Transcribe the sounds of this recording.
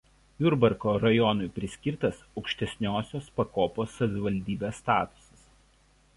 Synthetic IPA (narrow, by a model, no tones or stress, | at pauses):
jʊɾbɐɾkoːɾɐjɔnʊɪpʲɾʲɪsʲkʲiɾt̪ɐsɒʊkʃʲt̪ʲɛsʲnʲoːsʲoːspɐkoːpoːsːɐʋʲɪʋɐlʲd̪ʲiːbʲeːsːt̪ɑːt̪ʊ̥sɐ̥s